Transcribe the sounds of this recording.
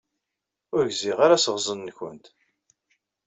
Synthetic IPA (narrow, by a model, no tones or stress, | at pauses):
ʊɾʝziʁaɾasəʁzˤənːçə̰nt̪